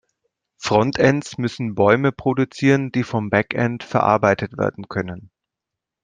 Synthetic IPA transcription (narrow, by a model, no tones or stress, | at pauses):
fʁ̥ɔntʰɛntsmʏsn̩bɔʏməpʁ̥odut͡siːʁəndiːfɔmbakʔɛntfɛɐʔa̰ɐbaɪtʰətv̥ḛːɐdn̩kʰœnən